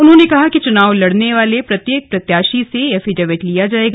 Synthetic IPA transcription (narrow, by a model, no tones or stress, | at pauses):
ʊnɦõnekɐɦakit͡ʃʊnaːʋlɐɽneʋaːlepɾɐt̪jeːk̚pɾɐt̪jaːʃiseɐfʰiɖɐʋeʈlijad͡ʒaːeːɡ